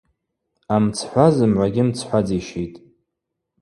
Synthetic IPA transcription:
amt͡sʰħʷazɨmʕʷaɡʲɪmt͡sʰħʷad͡ziʃejtʼ

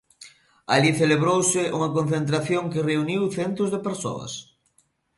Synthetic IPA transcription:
aliθeleβɾowsɪʔuŋɐkonθent̪ɾaθjoŋkɪreuniwθɛnt̪ʊzðepeɾso̰ɐ̰s

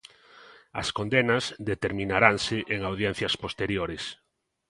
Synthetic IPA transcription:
ɐ̰skond̪enazd̪et̪eɾmĩnaɾaŋsɪʔeŋawðjɛn̟θjɐspost̪eɾjoɾes

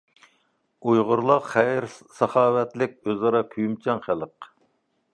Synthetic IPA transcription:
ujʁʊɾlˠɑqχæjɾsɑχɑːwɛt̪lɪk̚ʲøzɑɾɑkʲʰyjymt͡ʃʰɑŋχælˠəq

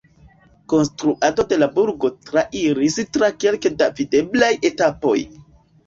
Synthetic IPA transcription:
ko̞nstɾuʔado̞de̞labuɾɡo̞tɾaʔiɾistɾake̞lkedavide̞blaje̞tapo̞̰j

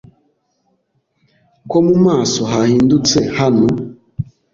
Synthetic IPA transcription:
kɔmumasɔɦahindut͡sɛhanɔ

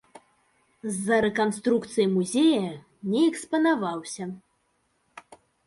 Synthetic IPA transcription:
zːɐɾɛkanst̪ɾukt̪sɨjimuzʲejɐ | nʲɛɛkspɐnavawsʲɐ

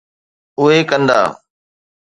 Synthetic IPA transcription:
ʊɦeːkənd̪a̰ː

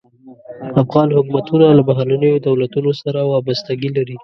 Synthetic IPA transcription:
afɣɑnhʊkmat̪unalabaɦɑlanəjod̪awlat̪unosaɾawɑbast̪aɡilaɾi

